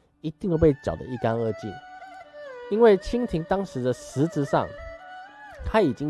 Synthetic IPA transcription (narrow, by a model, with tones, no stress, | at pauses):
i˧˦t̪i˥˧ŋjpe˥˩ɪt͡ɕjɑ̰˨˩ʊd̪ə̰˨i˥˩ka˦nɤ˥˧t͡ɕḭ˥˩n | i˦nwe˥˩ɪt͡ɕʰi˥ŋt̪ʰi˧˥ŋt̪ɑ˥ŋʂɻ̩˧˦d̪ə˧sɹ̩˧˥t͡sɹ̩˧˦ʂɑ̰˥˨ŋ | t̪ʰa˦˥i˨˩t͡ɕi˦ŋ